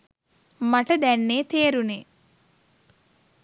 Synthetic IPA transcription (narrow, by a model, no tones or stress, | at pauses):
maʈəd̪ænːeːt̪eːɾune